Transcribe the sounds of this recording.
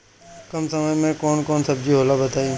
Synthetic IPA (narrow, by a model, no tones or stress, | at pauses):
kɐmsɐməjmẽkɔːnkɔːnsɐb̚d͡ʒiɦoːlabɐt̪aːĩ